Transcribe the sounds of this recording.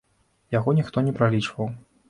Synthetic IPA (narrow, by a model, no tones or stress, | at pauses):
jaɣɔnʲixt̪ɔnʲɛpɾalʲit͡ʂvɐw